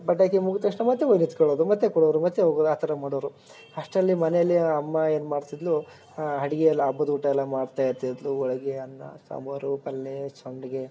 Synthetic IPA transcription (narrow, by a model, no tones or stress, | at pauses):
bɐʈːakemuɡut̪ɐʂʈɐmɐt̪ːeʋojnit̪kɔɭoːd̪umɐt̪ːekɔɽoʋɐɾumɐt̪ːeɦoːɡoːd̪aːt̪ʰɐɾɐmaːɽoʋɐɾu | ɐʂʈɐlːimɐnejɐlːiɐmːɐe̞ːnumaːɖt̪id̪lu | ɦɐɽiɡeɛlːɐːbːɐd̪uːʈɐɛlːɐmaːɽt̪aːjɐt̪id̪luɔɭɐɡeɐnːɐ̰sa̰mɐɾupɐlːet͡ʃɐɳɖɐɡe